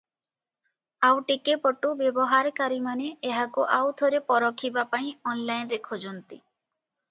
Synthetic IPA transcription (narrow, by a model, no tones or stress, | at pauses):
awʈikepɔʈubebɔɦaɾkaɾimaneeɦakuʔawd̪ʰʱoɾepɔɾɔkʰːibapaĩɔnlajnɾekʰɔd͡ʒɔnt̪ḭ